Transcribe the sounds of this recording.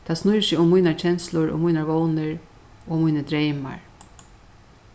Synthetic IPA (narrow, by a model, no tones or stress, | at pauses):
t̪ʰaːsnʊjsɪʊmːʊjnaɹt͡ʃʰɛnslʊɹo̰mujnaɹʋownɪɹ | oːmujnəd̪ɾejma̰ɹ